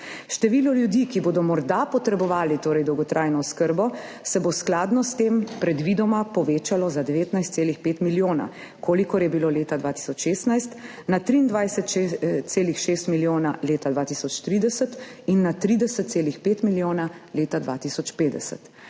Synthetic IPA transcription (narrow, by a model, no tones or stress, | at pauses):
ʃt̪ɛʋilɔljud̪ikiboːd̪ɔmɔɾd̪apɔt̪ɾɛbɔʋaːlit̪oːɾɛjd̪ɔwɡɔt̪ɾʔajnɔskəɾbɔ | sɛbosklaːd̪nɔst̪empɾɛd̪ʋid̪ɔmapɔʋeːt͡ʃalɔzad̪ɛʋeːt̪najst̪seːlixpeːt̪miljoːna̰ | kʰoːlikɔɾjɛbiloːleːt̪ad̪ʋaːt̪i̥sɔt͡ʃʃeːst̪najst̪nat̪ɾiːnd̪ʋajsɛt̪seːlixʃeːst̪miljoːnaleːt̪ad̪ʋaːt̪isɔt͡ʃt̪ɾid̪ɛsət̪inːat̪ɾid̪ɛsət̪t̪seːlixpeːt̪miljoːnaleːt̪ad̪ʋaːt̪isɔt͡ʃpeːd̪ɛsə̰t̪